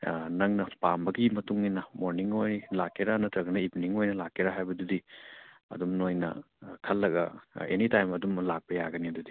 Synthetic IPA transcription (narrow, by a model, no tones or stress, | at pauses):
nɐŋnɐpambɐɡimɐtuŋinɐmoɾniŋojlakːeɾanɐtɐɡɐnɐipniŋojnɐlakːeɾaɦajbɐdudi | ɐ̰dumnojnɐ̰ | kʰɐlːɐɡɐ̰enitajmɐdumlak̚pɐjaɡɐniɐdudi